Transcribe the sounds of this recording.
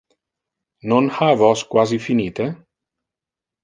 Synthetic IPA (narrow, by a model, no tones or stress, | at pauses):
nonhavɔskwazifiniːt̪e